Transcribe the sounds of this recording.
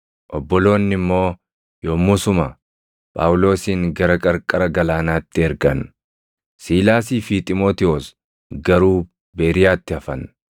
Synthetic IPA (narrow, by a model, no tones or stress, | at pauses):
ʔɔbːɔlo̞ːnːɪmːo̞ː | joːmːʊsʊmɐ | pʼa̰ːwlo̞ːsiːŋɡɐɾɐkʼɐɾkʼɐɾɐɡɐlaːnaːt̪ːɪɛɾɡɐn | siːlaːsiːfɪt̪ʼɪmo̞ːt̪ɪoːs | ɡɐɾuː | beːɾɪjaːt̪ːɪɐfɐn